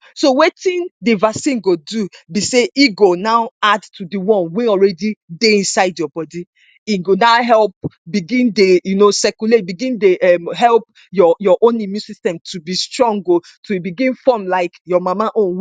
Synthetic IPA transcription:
sowetĩndevasĩnɡodubiseʔiɡonaʊadtʰudiwɔ̃nweɔlɹɛdideĩnsaɪdjɔbɔdi | iɡonaʊɦɛlp̚biɡĩndejunosɛkulet̚biɡĩndeʔɛmɦɛlp̚ | jɔjɔʔõnimjũsistɛ̃mtʰubistɹɔ̃ŋɡo | tʰubiɡĩnfɔmlaɪkjɔmamaʔõnw

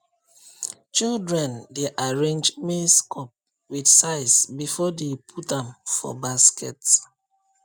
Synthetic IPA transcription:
t͡ʃildɹɛ̃ndeʔaɹẽnd͡ʒmeskʰɔp̚ | widsaɪsbifɔdepʰutãmfɔ̰baskʰɛts

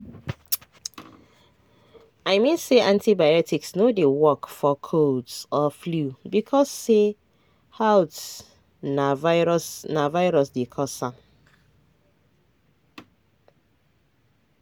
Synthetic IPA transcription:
aɪmĩnseʔãntibajɔtʰiksnodewɔkfɔkʰodsɔflubikʰɔsːe | hawt | navaɹɔsnavaɪɹɔsdekʰɔsãm

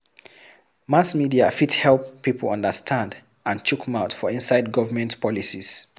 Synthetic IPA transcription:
masmidiafithɛlˠpːipʰəl̩ʌ̃ndəstʰãnd | ãnt͡ʃukʰmaʊtfɔĩnsaɪd̚ɡɔvəmɛ̃ntpʰɔlisiz̥

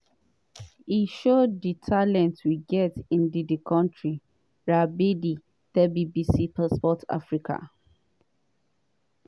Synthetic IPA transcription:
iʃodditʰalɛ̃ntwiɡɛtĩndidikʰɔ̃ntʰɹi | ɹabidi | tɛbibisipaspɔtʰa̰fɹikʰa̰

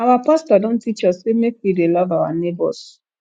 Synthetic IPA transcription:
awapastɔdõn̩tit͡ʃɔssemek̚widelavawa̰nebɔ̰s

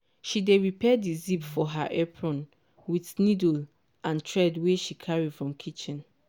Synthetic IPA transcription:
ʃideɹipʰɛdizipfɔɦaʔɛpʰɹɔ̃n | wiθnidl | ʔãntʰɹɛdweʃikʰaɹifɹɔ̃mkʰit͡ʃĩn

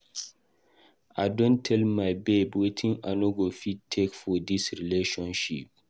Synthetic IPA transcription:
ʔadɔ̃ntʰːɛlmajbebwetʰĩŋa̰noɡofitʰekfɔdisɹileʃɔ̃nʃḭp̚

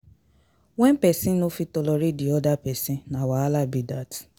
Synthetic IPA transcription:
wɛ̃npɛsĩnofitɔlɔɾidiɔdapɛsĩnãwaalabidat

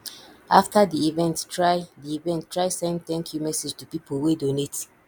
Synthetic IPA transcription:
ʔaftadiivɛ̃nttʰɹaɪdiivɛ̃nttːɹaɪsɛ̃nd̚tɛ̃nkʰjumɛsed͡ʒtupipʰolwedonet

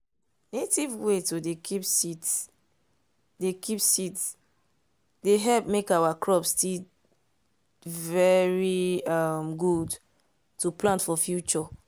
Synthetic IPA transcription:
netivwetodekʰipsit | dekʰipsits | deɦɛlp̚mekawakʰɹɔpsti | vɛɹiʌmɡud | tuplãntfɔfjut͡ʃɔ

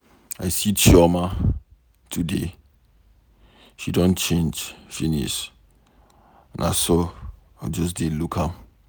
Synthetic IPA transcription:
aɪsit͡ʃʰɔma | tʰude | ʃidõnt͡ʃẽnd͡ʒfinḭs | nʔa̰so | ad͡ʒɔs̬delukʰãm

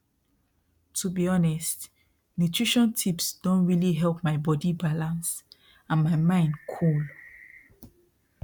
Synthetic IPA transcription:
tʰubiɔnɛst | nutʰɹiʃɔ̃ntʰipsd̥õnɹiliɦɛlp̚maɪbɔdibalãns | ãnmaɪmãɪ̃ndkʰul

